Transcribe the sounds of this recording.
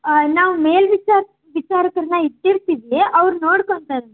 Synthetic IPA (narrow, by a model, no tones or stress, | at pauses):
naːʋume̞ːlʋit͡ʃa | ʋit͡ʃaːɾɐkɐɾɐnːɐiʈːiɾt̪iʋeʔɐʋɾnoːɽkoɳt̪aɾ